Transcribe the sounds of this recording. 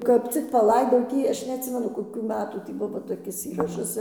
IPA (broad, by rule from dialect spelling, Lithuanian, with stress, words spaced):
kɐp ˈt͡sʲɪk pɐˈlˠɐɪdɐʊ ˈtʲiː ˈɐʃ nʲɛɐtʲˈsʲɪmʲɛnʊ koːˈkʲuː ˈmʲæːtuː tʲiː ˈbʊʋoː toːˈkʲɪs ˈiːrɐʃɐs